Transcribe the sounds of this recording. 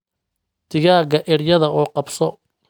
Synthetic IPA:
d̪̥ɪɣaːɡɐʔɪɽjɐðɐʔuːqɑbsɔ

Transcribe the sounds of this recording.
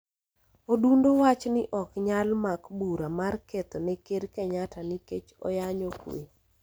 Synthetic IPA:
odundowat͡ʃnɪʔɔkɲalmakbuɾamarket̪ɔnekeɾkɛɲatanɪket͡ʃo̰jaɲokwḛ

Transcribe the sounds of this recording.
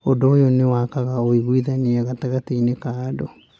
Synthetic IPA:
odoːjonewaːkaɣaoiɣwiðaniɛɣataɣateinekaːdo

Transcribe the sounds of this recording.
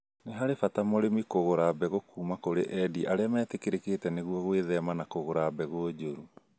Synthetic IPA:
neɦaɾefatamoɾemikoɣoɾabɛɣokuːmakoɾeʔɛdiʔaɾeamɛːtekeɾekeːtɛneɣwɔɣweðɛmanakoɣoɾabɛɣood͡ʑoɾu

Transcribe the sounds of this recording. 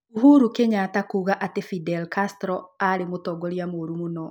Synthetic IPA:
uɦuɾukeɲatakuɣaʔatefidɛlkastɾɔaɾemotɔɡɔɾjamoɾumonɔ

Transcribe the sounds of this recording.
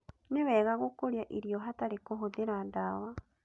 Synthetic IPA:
niβeɣaɣukuɾjaʔiɾjoɦatalikuɦuðiɾandawa

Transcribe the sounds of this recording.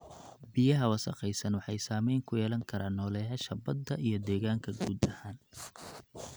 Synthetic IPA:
bijɐɦɐwɑsɐqɛjsɐnwɑħɑjsaːmɛjŋkʰʊjɛːlɐŋkʰɐɾaːnːɔːlɛːɦɐʃɐbɐd̪ːɐʔijɞd̪ɛːɣaːŋkʰɐɡuːd̪ɐhaːn

